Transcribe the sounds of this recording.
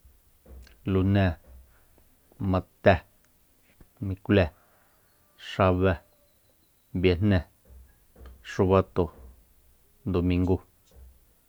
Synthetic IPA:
lu˧˨nɛ̃˧˨ | mã˧t̪ɛ˧ | mĩ˧klɛ˧ | ʂa˧βɛ˧ | bja˧n̥nɛ̃˧˨ | ʂu˧βa˧t̪o˨ | nd̪o˨mĩ˧ŋɡu˦

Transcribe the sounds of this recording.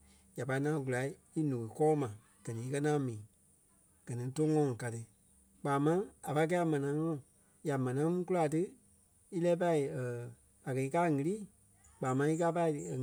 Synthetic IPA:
ja˨pa˧i˧ŋãː˦ɡu˨la˨i˦ | i˦nũ˨i˨kɔː˦mã˨ | ɡ̥ɜ˨nĩ˨˦i˦˧kɜ˦ŋãː˦mĩː˨ | ɡ̥ɜ˨nĩ˨˧to˦ŋɔ̃˧˨ŋ˨ka˨tɨ˧ | k͡paː˨mã˦a˨pa˧˦k̬ɛː˦a˨mã˨nã˨˦ŋɔ̃˦˨ | ja˨mã˨nã˨˦mũ˦ku˦la˧˨tɨ˦ | i˦lɛː˦p̬a˧i˨ə˨ | a˨kɜ˨i˧kaː˦˨ŋɨ̃˨˧liː˦˨ | k͡paː˨mã˧˦i˦kaː˦pa˧i˨˧˨

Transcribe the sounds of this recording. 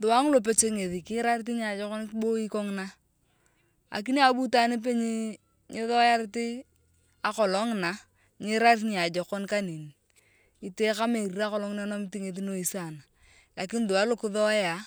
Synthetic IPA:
dʊ˨a˦ŋ˦lo˨p̬e˦t͡ʃe˦ŋe˨ði˨kɪ˦ɾa˦ɾɪ˦t̬i˦ɲ˦a˨d͡ʒɔ˦kɔ˦n˦bo˦i˦kɔ˦ŋ˦na˦ | a̰˨k̬i˦n˦a˨˦bu˦ta˨ni˦p̬e˦ɲi˦ | ŋɪ˦ðɔ˦ja˦ɾɪ˦tɪ˦ | a˨kɔ˨lɔ˦ŋ˨na˨ | ɲɪ˦ɾa˦ɾtɲ˨a˨d͡ʒɔ˨kɔ˦nka˦ni˨n˨ | i˨te˦ka˦me˨ɾi˨ɾa˦kɔ˨lɔ˦ŋ˦na˦nɔ˦mi˦ti˦ŋe˨ði˦no˨i˨sa˨na˨ | la˨kɪ˦n˦dʊ˨a˨˦lo˦kɪ˦ðɔ˦ja˨

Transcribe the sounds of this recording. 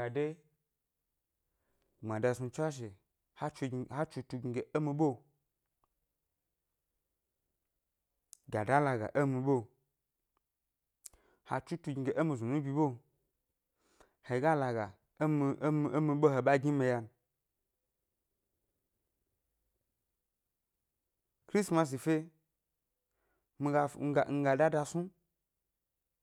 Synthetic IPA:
ɡa˨de˦ | ŋ͡mã˨da˧su˧t͡ʃʷa˦ʃ̬e˨ | ha˦˧ha˦t͡ʃu˧tu˧ɡi˧ɡe˨e˦mi˧ɓo˦ | ɡa˨da˦la˧ɡa̰˨ʔe˦mĩ˧ɓo˦ | ha˧t͡ʃu˦tu˧ɡi˨˧ɡe˨ʔe˦mi˧zu˨nũ˦bʲi˧ɓo˦ | he˨˦ɡa˦la˨ɡa˨˦ | mi˧˦m˨˦mi˧ɓo˦ɦe˨ɓa˦ɡi˦me˧ja˧n˨ | kɾi˦sma˧s̬i˨fe˦ | mi˧ɡa˧ŋ̩˦ɡa˨ŋ̩˧ɡa˧da˦da˧su˦

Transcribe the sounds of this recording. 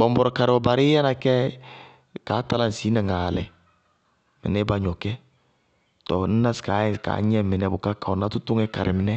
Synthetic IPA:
bɔ˨mbɔ˨ɾɔ˨ka˨ɾɪ˨ɔ˨ba˨ɾɪ˦jɛ˦na˨kɛ˦ | ka˨˦ta˦la˦n̩˨siː˨˦na˨ŋaː˨lɛ˨ | mɪ̰˨nɛ˦ba˦ɲɔ˨kɛ˦ | tɔ˨n̩˦na˦ska˨˦˨ka̰ː˨˦ɲɛ˦mɪ˨nɛ˨bʊ˨ka˦ka˨ɔ˨na˦tʊ˦tʊ˦ŋɛ˦ka˨ɾɪ˨mɪ˨nɛ˦

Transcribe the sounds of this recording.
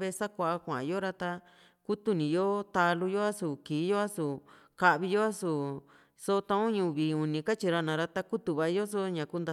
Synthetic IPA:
βe˧sa˦kʷa˧a˧kʷã˨jo˦ɾa˦t̪a˧ | ku˦t̪u˦nĩ˨jo˦t̪a˧lu˧jo˦a˦su˨kiː˨˦jo˦a˦su˨ | ka˦ʔβi˧jo˦a˦su˨ | so˦˧t̪ã˧ũ˦ɲũ˧˨βiː˨u˨nĩ˧ka˦t͡ʃi˧ɾa˧nã˨˧ɾa˧t̪a˦ku˦t̪u˧βa˧˦jo˦s̬o˦ɲã˨ku˦nd̪a˧

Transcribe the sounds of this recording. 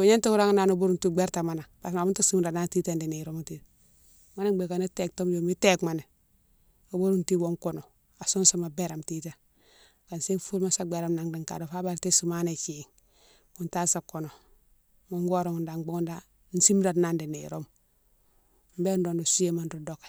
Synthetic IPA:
u˨ɲe˦ntu˦ku˦ɾa˦ŋ˦na˨nu˦bu˦ɾu˦ntu˦ɡ͡be˦ɾta˨ma˨na˨pa˨s̬ma˨bu˦nta˦si˦mɾa˨ɾna˦nti˦te˨ndi˨ne˨ɾo˦m˨ti˦ | ma˦na˦be˨ka˨ni˦te˨k̚to˦mjo˨mi˦te˦kma˨ne˨ | o˨bo˦ɾu˦nti˦bo˨ŋko˨no˨ | a˨so˦nsa˨ma˨be˦ɾa˨mti˦ta˨ | ka˨nse˦fu˦lma˦sa˦ɡ͡be˨ɾa˨mna˨ŋdi˨ŋka̰˨do˨fa˦ba˦˨ɾte˦su˨ma˦ne˨ki˨ŋ | ku˨nta˦sa˨ko˨no˨ | mo˦ŋɡo˦ɾo˨ŋu˨nda˨ŋɡ͡bo˦ŋu˦nda˦ | n̩˦si˦m˦da˨ɾna˦ndi˨nḛ˨ɾo˦m | m̩be˦n˦do˨ndo˨su˦je˦ma˨ndu˦do˨kḁ˨

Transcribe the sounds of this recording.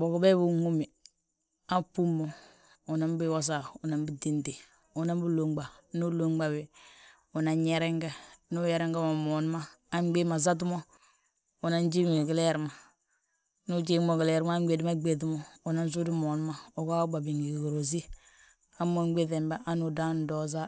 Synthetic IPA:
bo˨ku˨bɛ˦bu˨ŋu˦mi˨ | a˦pu˦mːo˨ | u˨na˦m˦bi˦wo˦s̬a˨ʊ˨na˨m˦bi˦di˦nti˨ | u˨na˦m˦bu˦lo˨ŋɡ͡ba˨nu˦lo˦ŋ˦ɡ͡ba˨we˨ | u˨na˨ɲɲɛ˦ɾɛ˦ŋɡɛ˦nu˦jɛ˨ɾɛ˦ŋɡɛ˦ma˨mɔ˨n˦maː˦ | m˦ɡ͡be˦ma˨za˦t̬u˦mo˦ | u˨na˦n˦d͡ʒi˦mi˨ɡi˨˦lɛ˦˨ɾma˨ | nu˦d͡ʒi˦mo˨ɡɪ˨le˦˨ɾmaː˦ɡ͡be˨di˦ma˦ɡ͡be˨ti˦mo˨u˨na˦n˦s̬u˦di˦mo˨n˦ma˦o˨ka˦ɡ͡ba˨bi˨ŋɡi˨ɡo˨ɾo˨z̬i˦ | a˦mːo˦ɡ͡be˦θe˨mba˦ʔa˦nu˨da˦n˨dɔ˦z̬a˦

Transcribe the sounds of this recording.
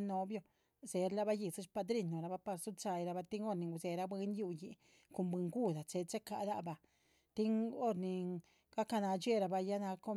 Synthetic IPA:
no˧bjo˧ | ze˨ɾla˧ba˦ji˧su˦ʃpa˧d̪ɾi˧˨nːo˨ɾa˧ba˧pa˧ɾsu˦t͡ʃa˧jɾa˧ba˧t̪i˦ŋo˦ɾni˨ŋɡu˧˨ze˨ɾa˧bwe˧nju˧ji˧ | ko˧mbe˧ŋɡu˦d̪a˨t͡se˧t͡se˦ka̰˧˨d̪a˧ba˧ | t̪i˦ŋo˦ɾni˨ | ɡ̥a˦ka˧na˧t͡ʃe˦ɾa˧ba˧ja˦na˧ko˦

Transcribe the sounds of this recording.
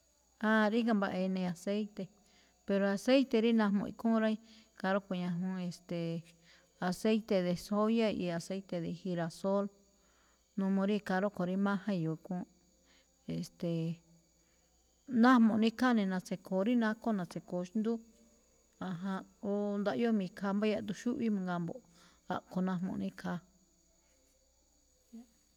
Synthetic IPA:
ã˦˧ɾi˦kã˧mba˧ʔe˧nẽ˧a˨se˦jt̪e˧ | pe˧ɾo˧a˧˨se˦jt̪e˧ɾi˦nã˧ɦmõ̰˧ḭ˧kũ˦ɾa˦i˦ | ka˧ɾo˦ko˧˨ɲã˧ɦũ˧˦e˧st̪e˨ | a˨se˦jt̪e˧ðe˧so˦ja˦˧i˧a˨se˦it̪e˧˨ði˧hi˧ɾa˧so˦l | nũ˧mõ˧ɾi˦˧ka˧ɾo˦ko˨ɾi˦mã˦hã˦˧jo˨˧kũ˦ | e˨st̪e˨ | nã˦mõ˨˧nĩ˦ka˦nĩ˧nã˧t͡se˧kʰo˨ɾi˦nã˦ko˦nã˧t͡se˨ko˨ʃnd̪u˦ | a˧ɦã˧o˦nd̪a˧ʔjo˦mĩ˧kʰa˧mba˦˧ja˧t̪u˧ʃu˦ʔβi˦mã˧ŋɡa˧mbo̰˨ʔ | a̰˧ʔko˧nã˧mõ̰˧˨nĩ˦kʰa˧

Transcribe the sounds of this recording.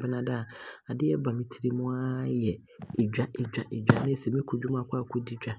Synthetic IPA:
bɪ˦nã˨da˦˨a˨dɪ˦ɛ˦ba˨mĩ˦tʰi˦ɾi˦mʊ̃˦a˦jɛ˨ | e˨d͡ʑᶣa˦ʔe˨d͡ʑᶣa˨ʔe˨d͡ʑᶣa˦nɪ̃˦˨sɛ˨mĩ˦kʰu˨d͡ʑᶣu˦m˦a˨kʰʷʊ˦a˨kʰʷu˦di˦d͡ʑᶣa˦

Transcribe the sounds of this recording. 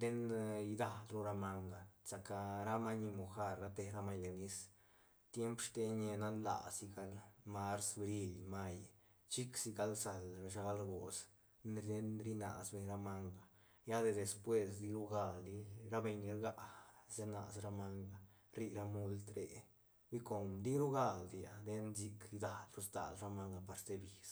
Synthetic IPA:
d̪e˦njd̪a˧lɾu˦ɾa˧ma˧ŋɡa˨sa˨ka˧ɾa˦ma˦ni˧mo˨xa˧ɾːa˧˦t̪e˧ɾa˦ma˧jle˨ni˦s | t̪je˦mpʂt̪e˧ɲe˧na˦nla̰˨si˧ɡa˧lma˦ɾsbɾi˧lma˧j | t͡ʃi˦ksi˧ɡa˧lsa˨lbe˨ʃa˧ɡa˧lɾɡo˨s | nɾd̪e˦nɾi˦na̰˨sbe˧ɲɾa˦ma˦ŋɡa˨ | ja˦d̪e˧d̪e˧˨spwe˧sd̪i˧ɾu˦ɡa˧ld̪i˧ɾa˦be˧ɲi˧ɾɡa˦ze˦na̰˨sɾa˧ma˦ŋɡa˧ | ɾi˧ɾa˦mu˦lt̪ɾḛ˨ | bi˦ko˨md̪i˦ɾu˦ɡa˦ld̪i˧ja̰˨d̪e˧nzi˧kɾi˧d̪a˨lɾu˦sd̪a̰˨lɾa˦ma˦ŋɡa˧pa˨ɾst̪e˧˦bi˨s

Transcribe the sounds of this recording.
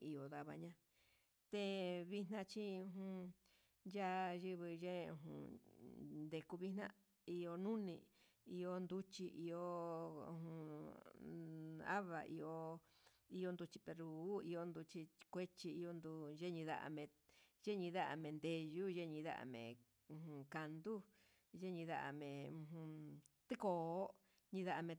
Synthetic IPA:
i˧o˨ða˧βa̰˧ɲã˧ | t̪e˦βi˦nã˦˧t͡ʃĩ˦ũ˧ɦũ˧ | ja˦ʒɨ˦βɨ˧ʒẽ˦˧ṵ̃˧ɦṵ̃˧ | nd̪e˧ku˧βi˦nã̰˦ | i˧o˧nũ˦nĩ˧ | i˧o˧nd̪u˦t͡ʃi˧ʔi˧o˧hũ˧ | a̰˦βa̰˨ʔḭ˧o˧ | i˧jo˧nd̪u˧t͡ʃi̥˧pe˧ɾuː˨˦i˧o˦nd̪u˧t͡ʃi˧kʷe˦t͡ʃi˧i˧o˧nd̪u˧ʒe˦ɲĩ˧ða̰˧ʔa̰˧mẽ˧ʒe˦ɲĩ˧ða˦ʔa̰˧˨mẽ˨˧nd̪e˧ʒu˦ʒe˦ɲĩ˧ða̰˦ʔa̰˧˨mḛ̃˨ | ũ˧hũ˧ka˧nd̪u˦ | ʒe˦ɲĩ˧ða˧ʔa̰˧mẽ˨ũ˧ɦũ˧t̪i˦ko˧o˦ | ɲĩ˧ða˧a˧mẽ˧

